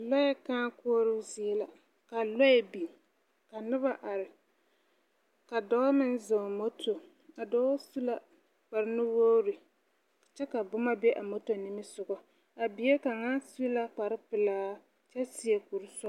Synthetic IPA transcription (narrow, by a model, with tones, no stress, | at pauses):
lɔ˦jɛ˦kaː˦koː˦ɾɨ˦zi˨ɛ˦la˨ | ka˨lɔ˦jɛ˦bi˨ | ka˨nɨ˦ba˦ʔa˨ɾɪ˨ | ka˨dɔ˦mɪ˦n˦zo˨mo˦tʰo˨ | a˨dɔː˦su˦la˦ | k͡pa˨ɾɪ˦nɨ˦wo˦ɾɪ˨ | t͡ʃɛ˦ka˨bʊ˦ma˦bɛ˦ʔa˨mo˦to˨ni˦mɨ˦sʊ˨ɡɔ˨ | a˨bi˨˦e˦ka˨ŋa˦su˦la˦k͡pa˨ɾɪ˦pɨ˨laː˦ | t͡ʃɛ˦si˦e˦ku˨ɾɨ˦sɔ˦